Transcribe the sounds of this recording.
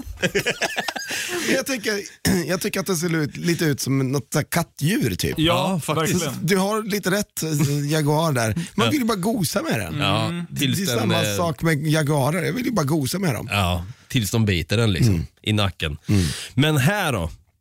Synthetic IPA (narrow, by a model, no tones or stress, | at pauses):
mɛnjɑɡt̪ʰɛŋkːəɾjɑːɡt̪ʰʏkːəɾat̪̚d̪ɛs̬eːɾʉ̟ːt̪liːt̪əʉːt̪sɔmnɔt̪sækʰat̪ːjʉ̟ːɾt̪ʰy̰ːpɑfak̪ɪsd̪ɵɦaɾliːt̪əɾɛt̪ːjaɡʉɑːɾɖæɾmanvɪljəbɑːɾaɡuːsamɛd̪ɛ̰nɑːɪlɛjsmːasɑːkmɛjaɡʉɑːɾəɾjɑ̰ːɡvɪljəbɑːɾaɡuːsamɛd̪ɔ̰mɑːt̪ʰɪlsd̪ɔmbiːt̪əɖɛnlɪ̰ksɔ̰mʔɪna̰kːənmɛnɦæːɖɔ̰